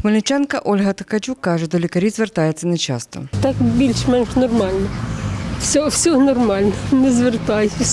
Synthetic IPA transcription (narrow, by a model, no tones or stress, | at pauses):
xmɐlʲɪt͡ʃankɐʔolʲɦɐt̪ɐkɐt͡ʃʲukːaʐɛd̪ɔlʲɪkɐɾʲizʲʋʲɛrt̪ajɛt̪sɐnɐt͡ɕa̰st̪ɔ̰t̪akbʲilʲʃmɛnʃnɔrmalʲnɐwsʲɔwsʲɔnɔrmalʲnɐnɛzʋʲert̪ajʊsʲ